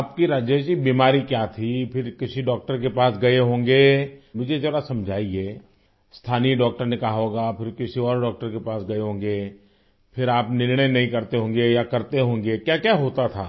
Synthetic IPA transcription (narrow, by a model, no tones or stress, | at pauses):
aːpkiɾaːd͡ʒjəd͡ʒibiːmaːɾikjaːt̪ʰipʰɪɾkɪsiɖɔːk̚ʈəɾk̬epaːsɡɐeɦõːŋ̆ɡemʊd͡ʒʱetəɾasɐmd͡ʒʱaːiɦɛː | st̪ʰaːniɖɔːk̚ʈəɾnekɐɦaɦoːɡapʰɪɾkɪsiɔːɾɖɔːk̚ʈəɾkepaːsɡɐeɦõːŋɡe | pʰɪɾaːpnɪɾɳəjnɐɦĩkɐɾt̪eɦõːŋɡejakɐɾt̪eɦõːŋ̆ɡekjaːkjaːɦoːt̪at̪ʰa̰ː